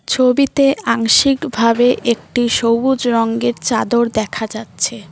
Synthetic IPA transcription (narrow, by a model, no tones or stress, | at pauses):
t͡ɕʰobit̪eaŋʃikbʱabeʔʔek̚ʈiʃowbud͡ʑɾɔŋɡeɾt͡ɕad̪oɾd̪ɛkʰad͡ʑatːɕʰe